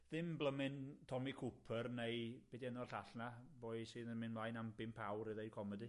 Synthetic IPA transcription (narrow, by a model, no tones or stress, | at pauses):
ðɪmblˠəmɪntʰɔmikʰupʰərneɨb̥ɛdiɛnɔrɬaɬnabɔːɨ̥sɨːnəmɪnmlajnambɪmpʰawɾiðejd̚kʰɔmɛdi